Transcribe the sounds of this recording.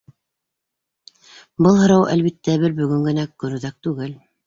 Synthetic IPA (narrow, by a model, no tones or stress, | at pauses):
bɤlˠɦɤ̆ɾɑwʔæ̰lβit̪ːæβɘɾbɵ̆ɡɵŋɡɘ̆nækːɵ̆nuðæk̚t̪ʉɡɘl